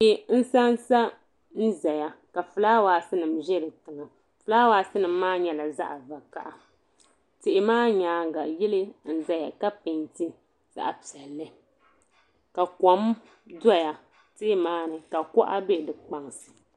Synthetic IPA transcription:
ɛ˨n̩˦sa˦nsa˦ | n̩˦zɛ˨ja˨ka˨fɨ˨laː˦waː˨sɨ˦nɨ˨mʒɛ˦lɨ˨tɨ˨ŋa˨ | fɨ˨laː˦waː˦sɨ˦nɨ˨m˦maː˦ɲɛ˨la˨za̰˦ʔa˨va˨ka˦˨ʔa˨ | tɪ˨ʔɪ˨maː˦ɲaː˨˦ŋ˦ɡa˨jɪ˦lɨ˦n̩˦za˦ja˨ka˦pɨ˨nti˦ | z̥a̰˦ʔa˨pi˨ɛ˨lːɨ˦ | ka˨kɔ˨˦m | da˦ja˨ | te˦maː˦nɨ˨ka˨kɔ˦ʔa˦be˦˨dɨ˨k͡pa˨ŋ˨sɨ̥˨

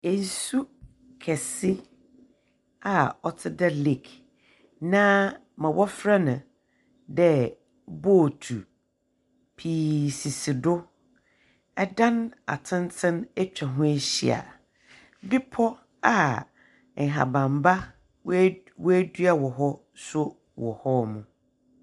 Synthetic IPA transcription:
e˨n˨su˦ | kʰɛ˨sɪ˦ | a˨ɔ˨tʰɪ˦da˦li˨k | nã˦ | mã˨wʔɔ˦fɾa˦nã˨ | dɛ˦ | bo˦˨tʰu˨ | pʰiː˨si˨sɪ˨dʊ˦ | ɛ˦dã˦na̰˨tʰɪ̃˦ntʰɪ̃˦næ˦t͡ɕᶣa˨ɦʊ̃˦e˦ɕḭ˦a̰˨ | bɪ˦pʰɔ˦ | a˨ | ŋ̩˨ɦa̰˨bã˨mba˦ | wæ˦du˦a˨wɔ˨ɦɔ˦ | sʊ˦ | wɔ˨hɔ˦˨mũ˨

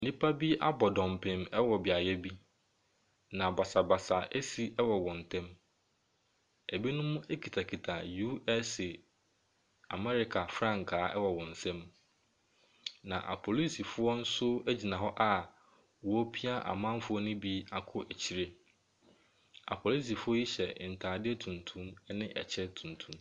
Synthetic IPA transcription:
nĩ˦pʰa˦bi˦ʔa̰˦bɔ˨dɔ̃˨mpʰɪ̃˨mɛ˦wɔ˨bɪ˨a˨jɛ˦bi˦ | nã˨ba˨sa˨ba˨sa˨ʔɛ˦si˨ʔɛ˦wɔ˨wɔ̃˨n˨tʰɛ̃˦m | ɛ˨bi˦nʊ̃˦mʊ̃˦e˦kʰi˨tʰa˨kʰi˨tʰa˨ju˦ɛ˦sɪ˨ | a̰˨mɛ˦ɾɪ˦kʰa˨fɾã˦ŋkʰaː˨˦ʔɛ˦wɔ˨wɔ̃˨n̩˨sɛ̃˦m | nã̰˨ʔa̰˨pʰɔ˨li˦si˨fʊ˦ɔ˦n̩˦sʊ˦æ˦d͡ʑi˨nã˨ɦɔ˦ʔa˦ | wɔ˨˦pʰi˦a˦ʔa̰˨mã˦m˦fʊ˦ɔ˦nʊ̃˦bi˦a˨kʰʊ˦ʔæ˨t͡ɕʰi˦ɾe˦ | a̰˨pʰɔ˨li˦s̬i˨fʊ˦ɔ˦ji˦ɕɛ˨n̩˨tʰaː˨dɪ˦ɛ˦tʰũ˨ntʰũ˦m˦nɪ̃˦ʔɛ̰˨t͡ɕʰɛ˦tʰũ˨n˨tʰũ˦m

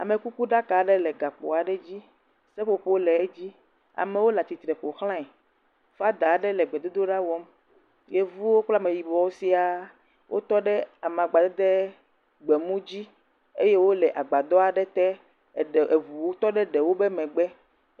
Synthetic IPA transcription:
a̰˨mẽ˨ku˦ku˦ɖa˦ka˨˦ɖɛ˦lɛ˨ɡa˨k͡po̰˨a˨ɖɛ˦d͡ʑi˦ | sɛ˦ɸo˨ɸo˦lɛ˨e˦d͡ʑi˦ | a̰˨me˨wo˦la˨t̪i˨t̪ɾɛ˨ɸo˨xl̃ã˦ɛ˨ | fa˦d̪a˨˦ɖɛ˦lɛ˨ɡ͡bɛ˨d̪o˦d̪o˦ɖa˦wɔ˦m | je˦vu˦wo˦k͡pla˦mẽ˨ji˨bɔ˨wo˦si˦a˨ | wʔo̰˦t̪ɔ˦ɖɛ˦a˨m˨ã˨ɡ͡ba˨d̪ɔ˦d̪e˦ | ɡ͡be˨mũ˦d͡ʑi˦ | e˦je˦wo˦lɛ˨ʔa˨ɡ͡ba˨d̪ɔ˦a˨ɖɛ˦t̪ɛ˦˨ | e˨vu˨wo˦t̪ɔ˦ɖɛ˦ɖɛ˨wo˦be˦mɛ̃˨ɡ͡bɛ˦

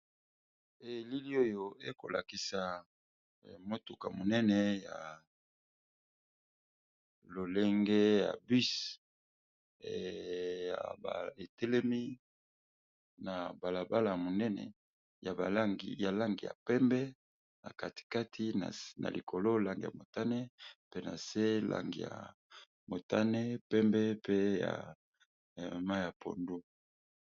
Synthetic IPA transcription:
e˨li˦li˦o˦jo˦e˦ko̰˨lʔa̰˨ki˨sa˨ | mo˦tu˨ka̰˨mo˨nɛ˦nɛ˦ja̰˨ | lo˨le˦ŋɡe˦ja̰˨bi˦s | ja̰˨ba̰˨e˨tɛ˦lɛ˦mi˦ | na˨ba˨la˨ba˦la˨ja˨mo˨nɛ˦nɛ̰˨ | ja˨ba˨la˦ŋɡi˨ja˨la˦ŋɡi˨ja̰˨pɛ˦mbɛ˦ | na˨ka˨ti̥˨ka˦tʰi˦na̰˨na̰˨li˨kʰo˨lo˦la˦˨ŋɡi˨ja̰˨mo˨ta˦ne˦pe˦na˨se˦lʔa̰˦ŋɡḭ˨ja̰˨ | mo˨ta˦ne˦pɛ˦mbɛ˦pe˦ja̰˨ | ma˦˨ja˨pʰo̰˨ndu˦

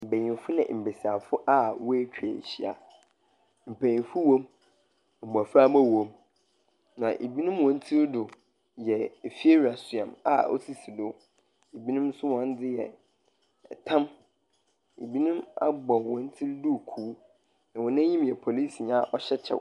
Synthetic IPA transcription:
m̩˨be˨ɲĩ˨fʊ˦nɪ̰̃˨m̩˨be˨si˨a˨fʊ˦ʔa˦wɔ˦e˦t͡ɕᶣḛ˨ɕi˦a̰˨ | m̩˨pʰæ˨ɲĩ˨fʊ˦wõ˦m | m̩˨a˨fɾa˦ma˦wõ˦m | nã˨ʔe˨bi˦nʊ̃˦mwɔ̃˨n̩˦tʰi˦ɾdʊ˨ | jɛ˨fi˦e˦ɾa˨sʊ˨ã̰˨ma̰˨ɔ̰˦si˦si˨dʊ˦ | e˨bi˦nʊ̃˦msʊ˦wɔ̃˦n˦dɪ˦jɛ̰˨ | tʰã˦m | ḛ˨bi˦nʊ̃˦ma̰˦ɡ͡bɔ̃˨wɔ̃˨n˦tʰi˦ɾdʊ˦˨kʰu˨˦ | nã˨wɔ̃˨nã˦ɲĩ˦mjɛ˨pʰo˨li˦si˨ɲã˦˨ʔɔ˦ɕɛ˦t͡ɕʰɛ̰˨

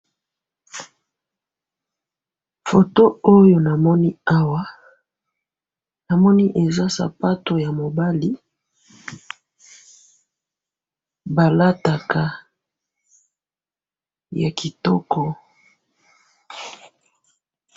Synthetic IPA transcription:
fo˨to˦o˦jo˨na˨mɔ˦ni˦a˦wa˦ | na˨mɔ˦ni˦ʔe˨za˦sa̰˨pa˦to˨ja˨mo˨ba˦li˦ | ba˨la˦ta˨ka˨ | ja˨ki˨tɔ˦kʰɔ˦

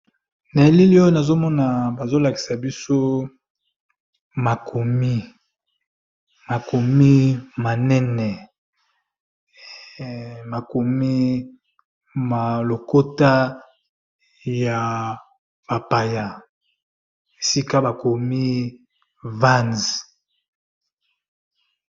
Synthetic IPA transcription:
na˨e˨li˦li˦o˦jna˨zo˦mɔ˦na˨ba˨zo˦la˨ki˨sa˨bi˦so˦ | ma˨kʰo˨mi˦ | ma˨ko˨mi˦ma˨nɛ˦nɛ˨ | ma˨ko˨mi˦ | ma˨lo˨ko˦ta˦ | ja˨ | b̥a˨pa˨ja˨ | e˨si˦ka˦ba˨ko˨mi˦ | vã˦nz

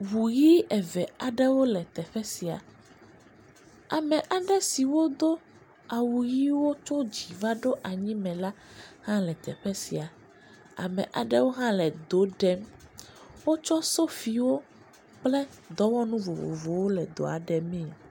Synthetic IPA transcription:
wu˨ji˦ɛ˨vɛ˨a˨ɖɛ˦wo˦lɛ˨t̪ɛ˨ɸɛ˦si˨a̰˨ | a˨mɛ̃˨ʔa˨ɖɛ˦si˨wo˦d̪o˦ | a˨wu˨ji˦wo˦t͡ʃɔ˦d͡ʑi˨va˦ɖo˦ʔa˨ɲĩ˦mɛ̃˨la˦hã˦lɛ˨t̪ɛ̰˨ɸɛ˦si˨a˨ | a̰˨mɛ̰̃˨ʔa˨ɖɛ˦wo˦ɦã˦lɛ˨d̪o˨˦ɖɛ˦m | wo˦t͡ʃɔ˦so˦fi˨wo˦ | k͡plɛ˦ | d̪ɔ˦wɔ˦nũ˦vo˨vo̰˨vo˨wo˦lɛ˨d̪o̰˨a̰˨ɖɛ˨mĩ˦˨

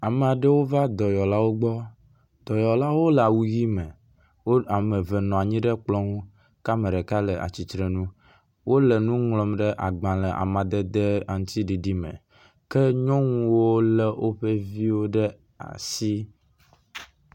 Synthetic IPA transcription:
a˨me˨a˨ɖe˦wo˦va˦d̪ɔ˨jɔ˨la˦wo˦ɡ͡bɔ˦ | d̪̥ɔ˨jɔ˨la˦wo˦lɛ˨a˨wu˨ɣi˦mẽ˨ | wo˦a˨me˨vɛ˨nɔ̃˨a˨ɲĩ˦ɖɛ˦k͡plɔ̃˦ŋũ˦ | ka˦mẽ˨ɖɛ˨ka˦lɛ˨a̰˨t͡ɕi˨t̪ɾe˨nũ˦ | wo˦le˨nũ˦ŋlɔ˨mɖɛ˦ʔa̰˨ɡ͡bã˨lɛ˨ʔa̰˨mã˨d̪ɛ˦d̪e˦a˨ŋũ˦t̪i˦ɖi˨ɖi˦mḛ̃˨ | kɛ˦ɲɔ̃˦ŋ̃ũ˦wo˦le˦wʔo˦ɸe˦vi˦wo˦ɖɛ˦ | a̰˨si˦

